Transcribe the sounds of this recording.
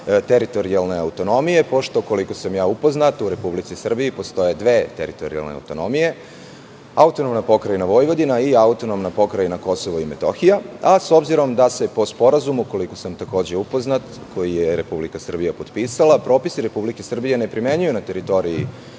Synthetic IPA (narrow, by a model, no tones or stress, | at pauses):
t̪eɾit̪oɾialˠne̞awt̪o̞no̞mije̞po̞ʃt̪oko̞liko̞samjaːupo̞znat̪uɾe̞publit̪sisr̩biipo̞st̪o̞je̞d̪ʋe̞ːt̪ḛɾit̪o̞̰ɾḭa̰lˠnḛa̰wt̪o̞no̞mije̞ | aut̪onomnapo̞kɾajinaʋo̞jʋo̞d̪inaiaut̪o̞no̞mnapo̞kɾajinako̞soʋoimet̪o̰xijaaso̞bziɾo̞md̪ase̞po̞spo̞ɾazumuko̞liko̞samt̪ako̞ːd͡ʑe̞upo̞znat̪ | kʰo̞jijeɾe̞publikasr̩bijapo̞d̪piːsalˠapɾo̞ːpisiɾe̞publike̞sr̩bije̞nepɾime̞ɲujunat̪e̞ɾit̪o̞ɾiḭ